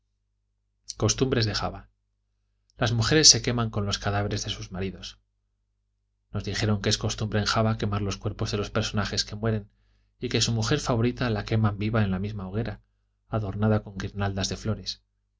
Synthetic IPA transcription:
ko̞st̪umbɾe̞zðe̞xa̰βa | lazmuxe̞ɾe̞sːe̞ke̞mãŋko̞nlo̞skaðaβe̞ɾe̞zðe̞suzmaɾiðo̞s | no̞zðixe̞ɾo̞ŋkeesko̞st̪umbɾe̞ːŋxaβake̞maɾlo̞skwe̞ɾpo̞zðe̞lo̞spe̞ɾso̞naxe̞ske̞mwe̞ɾe̞n | ike̞sumuxe̞ɾfaβo̞ɾit̪alake̞mãmbiβae̞nlamizmaoɣ̞e̞ɾa | aðo̞ɾnaðako̞ŋɡiɾnald̪azðe̞flo̞ɾe̞s

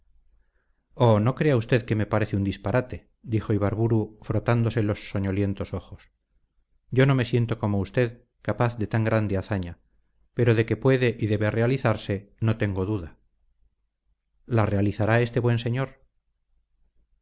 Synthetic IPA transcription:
ono̞kɾe̞aust̪e̞ðke̞me̞paɾe̞θeund̪ispaɾat̪e̞ | d̪ixo̞iβaɾβuɾufɾo̞t̪and̪o̞se̞lo̞sːo̞ɲo̞lje̞nt̪o̞so̞xo̞s | ɟ͡ʝo̞no̞me̞sje̞nt̪o̞ko̞moust̪e̞ð | kapaθðe̞t̪aŋɡɾand̪eaθaɲa | pe̞ɾo̞ðe̞ke̞pwe̞ðe̞ʔiðe̞βearealiθaɾse̞no̞t̪e̞ŋɡoðuða | lare̞aliθaɾae̞st̪e̞βwe̞nse̞ɲo̞ɾ

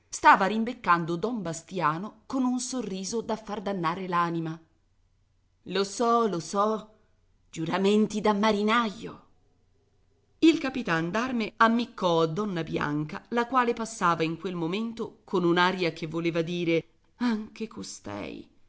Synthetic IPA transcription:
st̪aːvaɾimbekːand̪od̪ɔmbast̪jaːnokonunsorːiːzod̪afːard̪anːaːɾelaːnima | losɔlosɔ | d͡ʒuɾament̪id̪amːaɾinajo̰ | ilkapit̪and̪armeamːikːɔad̪ːɔnːabja̰ŋkalakwaːlepasːaːvaiŋkwelmoment̪okonunaːɾjakevːoleːvad̪iːɾe | aŋkekost̪ɛ̰j

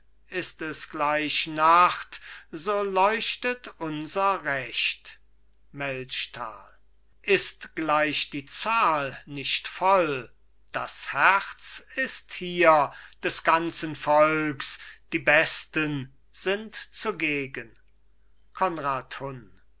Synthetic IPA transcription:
ʔɪstɛsɡ̥laɪʃnaχtzoːlɔʏʃtətʊnzɐʁɛʃt | mɛlʃtʰa̰ːl | ʔɪstɡ̥laɪʃd̥iːt͡saːlnɪʃtfɔl | d̥ashæʁt͡sɪsthiːɐd̥ɛsɡ̥ant͡sənfɔlksd̥iːbɛstən | z̥ɪntt͡suɡeːɡən | kʰɔnʁaːthʊn

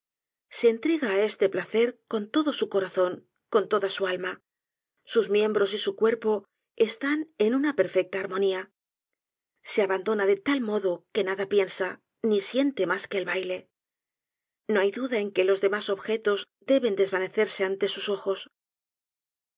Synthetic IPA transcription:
se̞ːnt̪ɾeɣaːe̞st̪e̞plaθe̞ɾko̞nt̪o̞ðo̞suko̞ɾaθo̞ŋ | ko̞nt̪o̞ðasualma | suzmje̞mbɾo̞sisukwe̞ɾpo̞ | e̞st̪ane̞nunape̞ɾfe̞k̚t̪aːɾmo̞nia | se̞aβand̪o̞naðe̞t̪almo̞ðo̞ke̞naðapje̞nsa | nisje̞nt̪e̞maske̞ːlβajle̞ | no̞ajðuðae̞ŋke̞lo̞zðe̞maso̞βxe̞t̪o̞z | d̪e̞βe̞nd̪e̞zβane̞θe̞ɾse̞ant̪e̞suso̞xo̞s

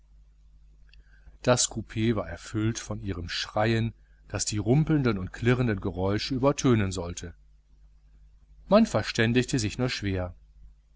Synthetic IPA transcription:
d̥askʰupʰeːvaːɐʔɛɐfʏltfɔnʔiːʁəmʃʁ̥aɪən | d̥asd̥iːʁʊmpl̩ndənʊntkʰl̥ɪʁəndənɡəʁɔʏʃəyːbɐtʰøːnənzɔltʰə | manfɛɐʃtɛndɪçtəzɪçnuːɐʃv̥eːɐ

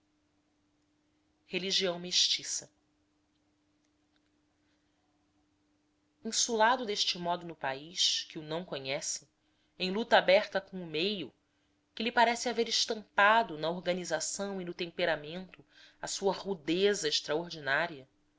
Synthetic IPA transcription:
heliʒiɐ̃w̃meʃt͡ʃisɐ | ĩsulad̪ʊd̪eʃt͡ʃɪmɔd̪ʊnʊpaiʃkɪʊnɐ̃w̃koɲɛsɪ̥ | ẽj̃lut̪ɐaabɛχt̪ɐkõʊmejʊ | kɪlɪpaɾɛsɪaveɾɪʃt̪ɐ̃mpad̪ʊnɐoɾɡɐnizasɐ̃w̃inʊt̪ẽmpeɾamẽnt̪ʊɐsuɐʁud̪ezɐɪʃt̪ɾaoɾd͡ʒinaɾiɐ

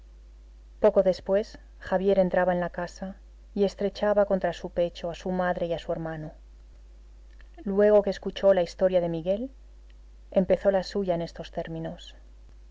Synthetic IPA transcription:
po̞ko̞ðe̞spwe̞s | xaβ̞je̞ɾe̞nt̪ɾaβae̞nlakasa | ie̞st̪ɾe̞t͡ʃaβako̞nt̪ɾasupe̞t͡ʃoasumaðɾe̞iasue̞ɾmano | lwe̞ɣ̞o̞keːskut͡ʃo̞laist̪o̞ɾjaðe̞miɣe̞l | e̞mpe̞θo̞lasuʝaene̞st̪o̞st̪e̞ɾmĩno̞s

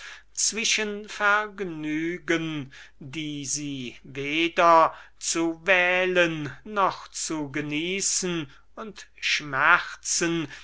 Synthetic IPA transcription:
t͡sv̥ɪʃənfɛɐɡnyːɡəndiːziːveːdɐt͡suvɛːlənːɔχt͡suɡəniːsən | ʊntʃmɛʁt͡sən

